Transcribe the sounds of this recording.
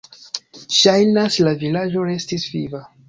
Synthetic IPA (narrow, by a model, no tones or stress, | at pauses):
ʃajnaslavilad͡ʒo̞ɾe̞stisviva